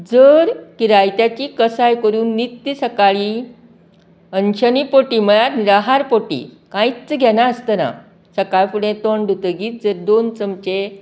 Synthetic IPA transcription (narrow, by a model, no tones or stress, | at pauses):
d͡zəɾkiɾajt̪jat͡ɕiːkəsajkəɾuːnːit̪ːisəkaɭi | ənɕənipoʈiːməjaɾniɾaɦaɾpoʈḭ | kãit͡st͡səɡʱɛnaəst̪əna̰ | səkajfuɽẽt̪ɔɳɖʱut̪əɡiːt̪̚d͡zəɾd̪ont͡səmt͡ɕe